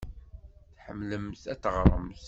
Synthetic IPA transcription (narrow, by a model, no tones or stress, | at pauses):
θħəmːləmθæt͡sːəʁəɾˤə̰mθ